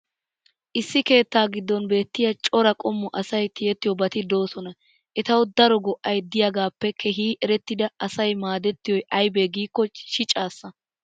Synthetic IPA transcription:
ʔɪsːɪke̞ːt̪ːaːɡɪd̪ːɔnbe̞ːt̪ːɪjɐt͡ʃʼɔɾɐkʼɔmːʊʔɐsɐjt̪ɪjɛt̪ːɪjɔbɐt̪ɪd̪o̞ːsɔnɐ | ʔɛt̪ɐwd̪ɐɾɔɡɔʔɐjd̪ɪjɐɡaːpːɛkʰɛɦiːʔɛɾɛt̪ːɪd̪ɐɐsɐjmaːd̪ɛt̪ːɪjɔjʔɐjbeːɡiːkːɔʃɪt͡ʃʼaːsːɐ

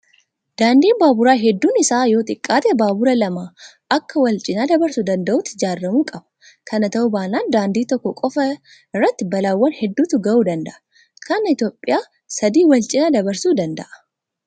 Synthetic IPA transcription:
d̪̥aːnd̪iːnbaːbʊɾaːɦɛd̪ːuːnɪsaːjo̞ːt̪ʼɪkʼːaːt̪ʼɛbaːbʊɾɐlɐmaː | ʔɐkːɐwɐlt͡ʃʼɪnad̪ɐbɐɾsʊd̪ɐnd̪ɐʔut̪ːɪd͡ʒaːrːɐmuːkʼɐbɐ̥ | kʰɐnɐt̪ɐʊbaːnaːnd̪aːnd̪iːt̪ɔkːɔkʼɔfɐ | rːɐt̪ːɪbɐlaːwːɐnhɛd̪ːuːt̪ʊɡɐʔuːd̪ɐnd̪ɐʔɐ | kʰɐnɐɪt̪jo̞ːpʼːɪjaː | sɐd̪iːwɐlt͡ʃʼɪnad̪ɐbɐɾsuːd̪ɐnd̪ɐ̰ʔɐ̥

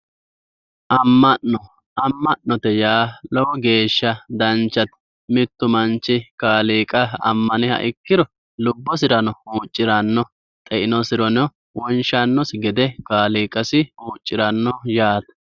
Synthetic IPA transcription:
ʔɐmːɐnːɔ | ʔɐmːɐnnːɔt̪ɛjaːlɔwɔɡe̞ːʃːɐd̪ɐnt͡ʃːɐt̪ | mɪt̪ːʊmɐnt͡ʃːɪkaːliːkʼɐɐ̰mːɐnɪhɐ̰ʔɪkːɪd̪ɔ | lʊbːɔsɪɾɐnɔuːt͡ʃʼːɪɾɐnːɔ | t̪ʼɛʔɪnɔsɪɾɔnɔ | wɔnʃɐnːɔsɡɛd̪ɛkaːliːkʼɐsɪuːt͡ʃʼːɪɾɐnːɔjaːt̪ɐ̥

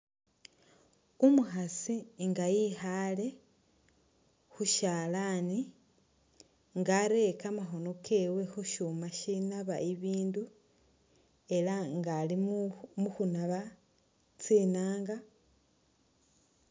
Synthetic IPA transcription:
umuxasiŋɡajihale̞ | xuʃaːlani | ŋɡaɾe̞kamaxo̞nokʰewe̞xuʃumaʃinaβa̰ʔiβiːndu | e̞laŋɡalimuxunaβa | t͡siːnaːŋɡa

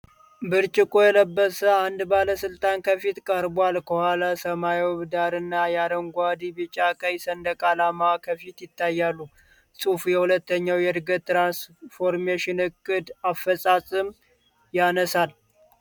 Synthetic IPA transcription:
bɨɾt͡ʃʼɪkʼojɛləbːəsəand̪baləsɨlt̪ʼankʰəfit̪kʼəɾbwalkʰəhʷwalasəmajwβɨd̪aɾɨnːajaɾəŋɡʷad̪ibɨt͡ʃʼakʼəjsənd̪əkʼalamakʰəfit̪jɪt̪ʰːajːalːu | sʼufujɛhulət̪ːəɲːawjɛdɾɡət̪ːɾansfo̞ɾmeʃɪnɨkʼːɨd̪afːəsʼasʼɨm | janəsal

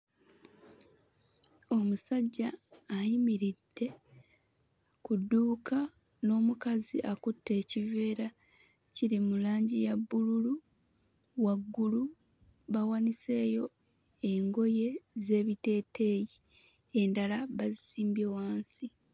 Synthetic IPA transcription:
o̞musaɟːaːjimiɾidːe̞ | kudːuːka | no̞ːmukaziʔakutːe̞ːcive̞ːɾa | ciɾimulaːɲɟijabːululu | waɡːulu | βawanise̞ːjo̞ | eŋɡo̞je̞ze̞ːβite̞ːtʰe̞ːji | endalaβazisiːmbjowaːnsi

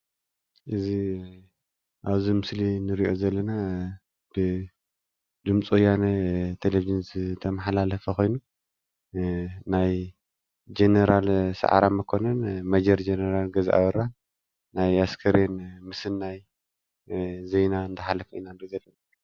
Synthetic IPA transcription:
ʔɨzi | ʔaβzimɨslinɨɾiʔo̞zɐlːɐna | b̥ɨ | d̪ɨmt͡sʼojanɐt̪ʰelevid͡ʒinzɨt̪ʰɐmɐħalalɐfɐko̞jnu | naj | d͡ʒenɐɾalsa̰ʕa̰ɾamɐkʰo̞nɐnmɐd͡ʒɐɾd͡ʒenɐɾalɡɐziʔa̰βɐɾal | najaskʰɐɾenmɨsɨnːaj | zejnaɨnd̪ʰɐħalɐfʔinand̪ozɐlːɐna

